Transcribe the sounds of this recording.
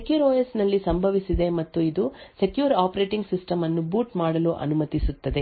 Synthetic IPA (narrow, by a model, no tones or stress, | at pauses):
kjuːɾoːjɐsnɐlːisɐmbʱɐʋisid̪e̞mɐt̪ːuid̪use̞kjuːɾaːpɐɾe̞ːʈiŋɡsisʈɐmɐnːubuːʈmaːɽɐluʔɐ̰numɐt̪isut̪ːɐd̪e